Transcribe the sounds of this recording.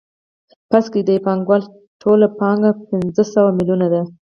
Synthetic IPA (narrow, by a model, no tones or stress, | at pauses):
paskid̪əpɑŋɡwal | ʈʰolapɑŋɡapɪnzəsawamilunad̪a